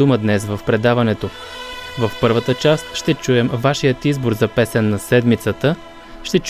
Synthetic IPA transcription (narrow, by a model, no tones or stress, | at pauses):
uməd̪nɛsvəfpɾɛd̪avɐnɛt̪o | vəfpɤɾvət̪ət͡ʃast̪ʃt̪ɛt͡ʃuɛmvaʃijət̪izboɾzɐpɛsɛnːɐsɛd̪mit̪sət̪ə | ʃt̪ɛt͡ʃ